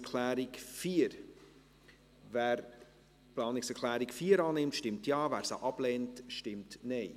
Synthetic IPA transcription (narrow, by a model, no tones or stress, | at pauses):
kʰlæːɾɪkfiːəɾ | væːɾ | plɑːnɪksɛkʰlæːɾɪkfiːəɾɑːnɪmtʃtɪmtjɑːvæːɾsə̰ʔɑb̥lɛːntʃtɪmtnɛɪ